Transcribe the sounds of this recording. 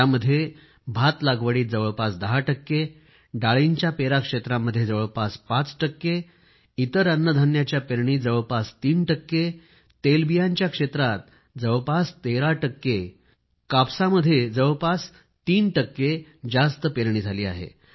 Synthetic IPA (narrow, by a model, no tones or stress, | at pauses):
aməd̪ʱːje | bʱat̪laɡʋəɽiːt̪̚d͡zəʋəɭpasd̪əɦaʈəkːe | ɖaɭiɲt͡ɕjapeɾakʂet̪ɾamːəd̪ʱjed͡zəʋəɭpaspat͡sʈəkːe | it̪əɾənːəd̪ʱanjat͡ɕjapeɾɳiːd͡zəʋəɭpast̪iːnʈəkːe | t̪elbijaɲt͡ɕjakʂet̪ɾat̪̚ | d͡zəʋpast̪eɾaʈəkːe | kapsaməd̪ʱːjed͡zəʋəɭpas | t̪iːnʈəkːed͡zast̪əpeɾɳ̃iːd͡zʱaliːa̰ɦḛ